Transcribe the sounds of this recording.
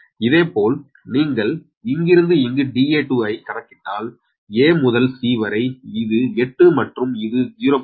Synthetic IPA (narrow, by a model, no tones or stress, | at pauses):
ɪðeːpoːl | niːŋɡɐɭ | ɪŋɡɪɾɯnd̪ɯɪŋɡɯɖiːeːʈːuɐɪkɐɽɐkːɪʈːa̰ːl | eːmʊðɐlsiːʋɐɾɐɪɪðɯɛʈːɯmɐʈrɯmɪðɯd͡ʒɪjɾop